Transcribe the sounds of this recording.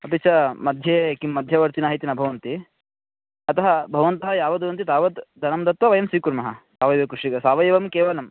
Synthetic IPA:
ɐpit͡ʃʰɐmɐd̪ʱjeːkimːɐd̪ʱjɐʋɐɾt̪inaːɦit̪inɐbʱɐʋɐnt̪i | ɐt̪ɐɦɐbʱɐʋɐnt̪ɐɦɐjaːʋɐd̪uʋɐnt̪it̪aːʋɐt̪d̪ʱɐnɐmd̪ɐt̪ʋɐʋɐjɐmsʋiːkuɾmɐɦɐ̰saːʋɐjʋɐkɾuʂiɡɐsaːʋɐjɐʋɐmkeːʋɐlɐm

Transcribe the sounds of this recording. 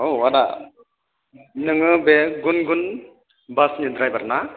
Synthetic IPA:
owada̰ | nɯŋɯbeɡunɡun | basnid̪ɾajbaɾna

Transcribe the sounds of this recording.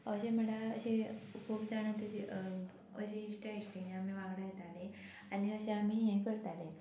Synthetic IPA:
əɕem̤əɽaə̰ɕekʰuːpd͡zaɽ̃ãt̪əi | əɕeiʂʈeiɕʈinẽamiʋãɡɽajet̪ale | aniəɕeamiɦẽkəɾt̪ale

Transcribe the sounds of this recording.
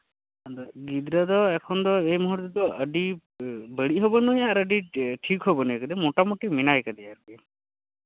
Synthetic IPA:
d̪ɔɡid̪ɾəd̪ɔɛkʰɔnd̪ɔejmɔɦuɾt̪ɔd̪ɔəɖi | bəɽiɦobɔnuɦeaɾəɖiʈʰikɦobɔnuɦekəd̪emoʈamoʈiminajkad̪iaɾki

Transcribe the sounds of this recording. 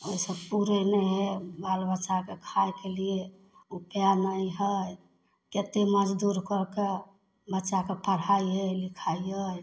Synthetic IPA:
oisəbpuɾenəɦebalbəʃakekʰajkelie | upjanəjɦəj | ket̪eməd͡ʒd̪uɾkɔke | bətːʃakepəɽ̤aiəlikʰaiəj

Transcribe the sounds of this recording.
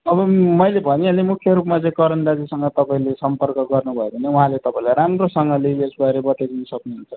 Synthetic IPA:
ʌbʌmʌjlebʱʌniʌlemukʰjʌɾupmat͡sʌ̃ĩkʌɾʌndad͡zisʌŋɡʌt̪ʌpaĩlesʌmpʌrkʌɡʌrnubʱʌebʱʌneuɦãlet̪ʌpãĩlaɾamrosʌŋɡʌleesbaeɾebʌʈ̪ed̪inʌsʌknuɦunt͡sʰʌ

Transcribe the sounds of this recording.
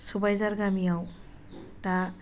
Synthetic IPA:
subajzaɾɡamijaw | ta

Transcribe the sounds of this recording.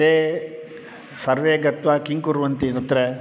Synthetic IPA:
eː | sɐɾʋeːɡɐt̪ʋakiŋkuɾʋɐnt̪iɾɐt̪ɾe

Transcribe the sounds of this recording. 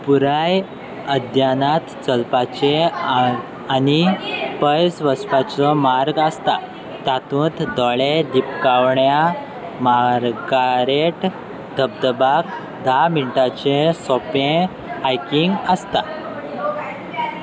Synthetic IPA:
puɾaj | əd̪janat̪t͡səlpat͡ɕe | anipəjd͡zʋəspat͡sɔmaɾɡast̪a | t̪at̪ũːt̪d̪ɔɭed̪ipkawɳja | maɾɡaɾeʈ | d̪əb̚d̪əbak | d̪ʱamiɳʈat͡ɕesɔpẽ | ajkiŋɡəst̪a

